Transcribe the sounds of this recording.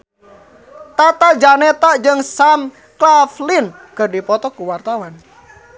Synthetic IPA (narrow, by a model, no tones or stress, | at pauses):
t̪at̪aʔd͡ʒanɛt̪aʔd͡ʒɨŋsam | klaflinkəɖipɔt̪ɔkuwart̪awan